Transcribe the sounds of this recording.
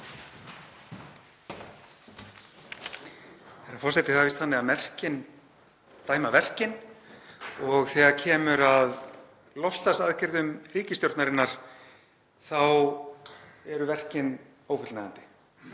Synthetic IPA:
θɛɾafɔr̥sɛt̪ɪθavist̪hanːɪɣaðmɛr̥cɪn | t̪aːjmavɛr̥cɪn | ɔɣθɛːɣaɾcʰɛːmʏɾað | lɔst̪ast̪aðcɪɾðʏmriːcɪst̪jowɾt̪naɾɪnːaɾ̥ | θaw | ɛɾʏvɛr̥cɪn | oːwfʏt̪lnaːɣant̪ɪ̥

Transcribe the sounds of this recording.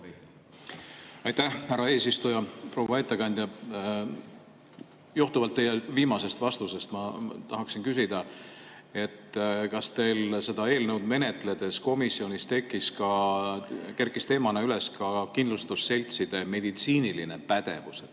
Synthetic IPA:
ɑjt̪æhhæɾɑeːsist̪ujɑpro̞wɑet̪ːɑkɑnʲd̪̥ʲjɑ | juht̪uvɑlt̪ːe̞jeviːmɑse̞st̪vɑst̪use̞st̪mɑt̪ɑɦɑksinkys̬id̪̥ɑ | e̞t̪ːkɑst̪e̞jlse̞d̪̥ɑe̞ːlnewd̪me̞ne̞t̪ˑle̞d̪̥e̞sko̞misːio̞nʲist̪e̞kːˑiskɑ | ke̞rkːˑist̪e̞ːmɑneyle̞skɑkind̪lust̪usːe̞lʲt̪sid̪̥e̞me̞d̪̥it̪siːniline̞pæd̪̥e̞vuse

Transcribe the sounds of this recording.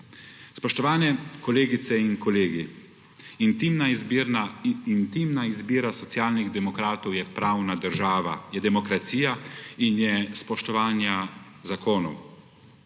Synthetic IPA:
spɔʃt̪ɔʋaːnɛkɔleːɡit̪sɛinkɔleːɡi | int̪imnaɾnaint̪iːmnaizbiːɾasɔt̪sjaːlniɣd̪ɛmɔkɾaːt̪ɔwjɛpɾaːwnad̪əɾʒaːʋa̰jɛd̪ɛmɔkɾat̪siːjainjɛspɔʃt̪ɔʋaːnja | zakoːnɔ̰w

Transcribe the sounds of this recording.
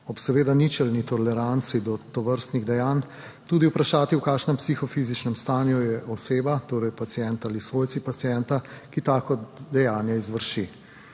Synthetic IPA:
ɔpsɛʋeːd̪anit͡ʃɛlnit̪ɔlɛɾant̪sid̪ɔt̪ɔʋəɾst̪niɣd̪ɛjaːn | t̪uːd̪iwpɾaʃaːt̪iwkaːʃnɛmpsixɔfizit͡ʃnɛmst̪aːnjujɛʔɔseːbat̪oːɾɛjpat̪siɛnt̪aaːlisʋojt̪sipat̪sijɛnt̪akit̪aːkɔd̪ɛjaːnjɛizʋəɾʃi

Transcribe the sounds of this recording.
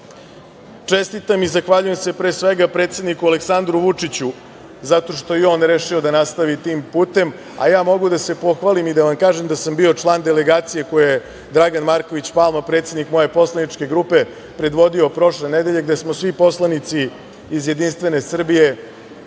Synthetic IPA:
t͡ʂest̪it̪amizaxʋaʎuje̞mse̞pɾeːsʋeɡapɾeːt̪se̞d̪nikuale̞ksand̪ɾuʋut͡ʂit͡ɕu | zat̪o̞ʂt̪o̞jeo̞ːnɾeʃio̞d̪anast̪aʋit̪iːmpuːt̪e̞m | a̰jaːmo̞ɡud̪ase̞po̞xʋalimid̪aʋamkaːʒemd̪asambio̞t͡ʂlˠaːnd̪ele̞ɡaːt̪sije̞ko̞juje | d̪ɾaɡanmaɾko̞ʋit͡ɕpalˠmapɾet̪se̞d̪nikmo̞je̞po̞slˠanit͡ʂke̞ɡɾupe̞ | pɾe̞d̪ʋo̞d̪io̞pɾo̞ʂle̞ned̪e̞ʎe̞ɡd̪e̞smosʋipo̞slˠanit̪siː | zje̞d̪inst̪ʋe̞ne̞sr̩bije̞

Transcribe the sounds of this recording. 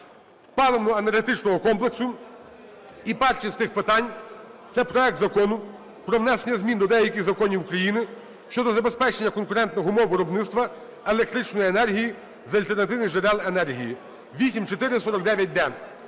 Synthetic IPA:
pɑlˠɐnʊenerɦet̪ɪt͡ʃnɔɦɔkɔmplˠeksʊ | ipɛrt͡ʃisʲt̪ɪxpɪt̪ɑnʲt̪sɛpɾɔɛk̚t̪zɐkɔnʊ | pɾɔʋnɛsenʲːɐzmʲind̪ɔd̪ɛjɐkʲɪɣzɐkɔnʲiwukɾɐjinɪ | ʃt͡ʃɔd̪ɔzɐbe̞spɛt͡ʃenʲːɐkɔnkʊɾɛnt̪nɔɦɔʊmɔwʋɪɾɔbnɪtst̪ʋɐ | elˠek̚t̪ɾɪt͡ʃnɔjienɛrɦʲiji | zɐlʲt̪ernɐt̪ɪʋnɪʒeɾɛlˠenɛrɦʲiji | ʋʲisʲimt͡ʃɔt̪ɪɾɪsɔɾɔk̚d̪ɛʋʲjɐt̚ʲd̪ɛ

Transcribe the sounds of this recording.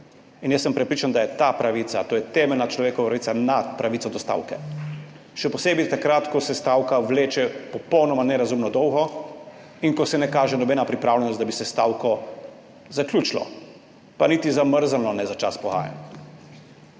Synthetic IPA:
injɛsːəmpɾɛpɾiːt͡ʃand̪ajɛt̪apɾaʋit̪sat̪oːjɛt̪ɛmɛlnat͡ʃlɔʋeːkɔʋapɾaʋit̪sanat̪pɾaʋitsɔd̪ɔst̪a̰ːwkɛ̰ | ʃɛpɔseːbit̪akɾat̪kɔsɛst̪awkaʋleːt͡ʃɛpɔpɔwnɔmanɛɾazumnɔd̪ɔwɣɔ | inkɔsɛnɛkaːʒɛnɔbɛːnapɾipɾaːwlʲɛnɔst̪abisɛst̪aːwkɔ | zaklʲjuːt͡ʃlɔ̰ | panit̪izaməɾzalnɔnɛzat͡ʃa̰spɔɣa̰ːja̰n

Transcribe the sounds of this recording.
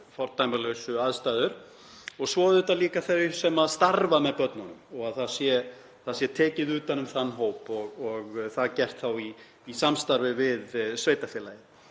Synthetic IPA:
fɔɾt̪ajmaɾlœɥsʏaðst̪ajðʏɾ̥ | ɔɣsvɔːðʏt̪aliːkaθœɥjsɛmaðst̪aɾvamɛðpœt̪nanʏmɔɣaðθaðsjɛ | θaðsjɛt̪ʰɛːcɪðʏːt̪anːʏmθanːɦoːwpɔɣɔɣθaðcɛr̥t̪θawiː | samst̪aɾvɪvɪðsveːjt̪afjɛːlajɪ

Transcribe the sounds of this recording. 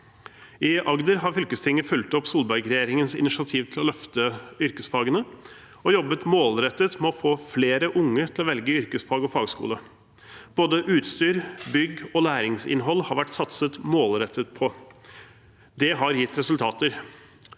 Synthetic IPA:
ɪʔɑɡd̪əɾhɑɾfʏlkəst̪ʰɪŋːəfʉlt̪ɔpsuːlbɑɾɡɾɛjeːɾɪŋənsɪ̰nɪsɪɑt̪ʰiːʋt̪ʰɪlɔlœft̪əʏɾkəsfɑːɡənə | ɔjɔbːət̪moːlɾɛt̪ːət̪mɛɔfoːfleːɾəʔʊŋːət̪ʰɪlɔʋɛlɡəʏɾkəsfɑːɡɔfɑːɡskṵːlə | b̥oːd̪əʔʉːt̪st̪yːɾbʏɡɔlæːɾɪŋsɪ̰nɦɔlːhɑɾʋæʈːsɑt̪sət̪moːlɾɛt̪ʰːət̪pʰɔ | d̪ɛɦɑɾjɪt̪ːɾɛsʉlt̪ʰɑːt̪əɾ

